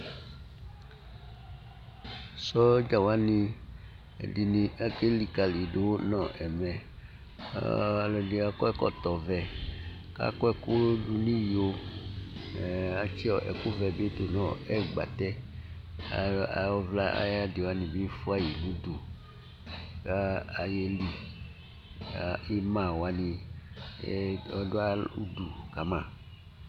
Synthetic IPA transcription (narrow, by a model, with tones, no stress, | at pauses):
sɔ˦d͡ʒa˨wa˦nĩ˨ | ḛ˨di˨nĩ˨a˦ke˦li˨ka˨li˨ɖo˨˦wnɔ̃˨ʔɛ˨mɛ̰˨ | a˨lɔ˨di˨a˦kɔ˦ɛ˦˨kɔ̰˦t̪ɔ˨vɛ˨ | ka̰˦kɔ˦ɛ˦˨ku˦ɖu˨nĩ˦ji˨o˦˨ | a˦t͡ʃi˦ɔ˨ʔɛ̰˨ku˦vɛ˨be˦t̪o˨nɔ̃˦˨ɛ˦˨ɡ͡ba̰˨t̪ɛ˦ | a˨˦˨ɔ˦vla˦a̰˦ja˦de˨wa˦nĩ˨bi˦fu˦a˦ji˨nũ˦d̪u˨ | ka˦a˨je˦li˨ | a˨i˦mã˨wa˨˦nĩ˨˦ | ɔ˨do˦a˦ṵ˦du˨ka˨˦mã˨